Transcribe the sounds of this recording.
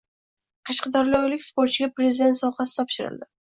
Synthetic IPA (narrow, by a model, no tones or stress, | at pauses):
qʰɑʃqɑd̪aɾɪlʲɒwlɪkʲspoɾt̪̚t͡ʃɪɡʲapɾezɪd̪ent̪sawqɑsɪ̥t̪ʰɒpʃɪɾɪ̰ld̪ɪ